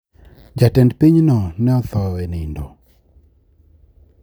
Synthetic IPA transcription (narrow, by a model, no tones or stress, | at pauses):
d͡ʒatɛndpiɲnɔnɛɔθɔwɛnɪndɔ